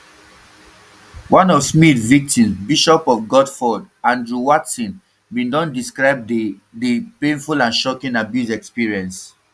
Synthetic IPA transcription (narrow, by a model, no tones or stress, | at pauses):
wãnɔvsmidvik̚tĩmsbiʃɔpɔfɡɔdfɔd | ãndɹuwatsĩn | bĩndɔ̃ndiskɹaɪb̚ | deplẽnfulãnʃɔkĩnabjuzɛkspiɹiɛ̃ns